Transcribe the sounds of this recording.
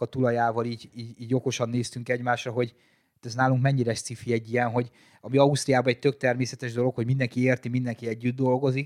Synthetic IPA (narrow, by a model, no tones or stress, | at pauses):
kɒt̪ulɒjaːvɒliːɟiːɟiːɟo̞ko̞ʃɒnːeːst̪yŋkɛɟmaːʃrɒɦo̞ɟ | t̪ɛznaːluŋkmɛɲːiɾɛʃt̪sifiɛɟːijɛnɦo̞ɟ | ɒmiɒust̪ɾijaːbɒɛc̚t̪øk̚t̪ɛrmeːsɛt̪ɛʒd̪o̞lo̞kho̞ɟmind̪ɛŋkieːrt̪imind̪ɛŋkiɛɟːyd̪ːo̞lɡo̞zik